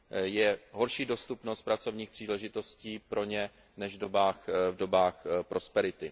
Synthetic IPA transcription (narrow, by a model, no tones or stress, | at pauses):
jɛɦo̞ɾʃiːdo̞st̪upnost̪̚pɾat͡so̞vɲiːxpr̥iːlɛʒɪt̪o̞sciːpɾo̞ɲɛ | nɛʒvdobaːxvdo̞baːxpɾo̞spɛɾɪt̪ɪ